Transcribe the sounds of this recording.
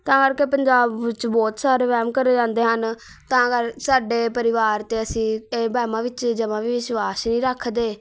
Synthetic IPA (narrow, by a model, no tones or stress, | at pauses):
t̪ãːkəɾkeːpəɲd͡ʒaːbʋɪt͡ʃbɔːt̪saːɾeːʋɛːmkəɾeːd͡ʒãːnd̪eːɦən | t̪ãːkəɾsaːɖeːpəɾɪʋaːɾt̪eːəsĩːeːbɛːmãːʋɪt͡ʃd͡ʒəʋãːʋiːʋɪʃʋaːsnĩːɾəkʰːd̪eː